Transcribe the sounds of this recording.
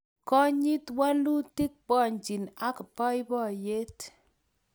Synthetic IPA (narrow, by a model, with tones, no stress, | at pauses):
kɔ˦ɲi˦twa˦lu˦ti˦k̚bɔ˦˨ɲt͡ʃi˨na˦kpɔ˦jbɔ˦˨je˦t